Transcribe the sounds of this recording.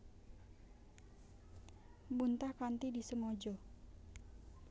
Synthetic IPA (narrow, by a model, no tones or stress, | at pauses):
bunt̪ahkant̪idisəŋɔd͡ʒɔ